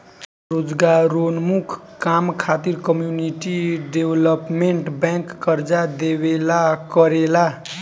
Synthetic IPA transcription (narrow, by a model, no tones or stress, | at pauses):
ɾod͡zɡaɾonmukʰkamkʰat̪iɾkʌmjuniʈiɖeblʌpmeɳʈbaŋkːʌɾd͡zad̪ebelakʌɾela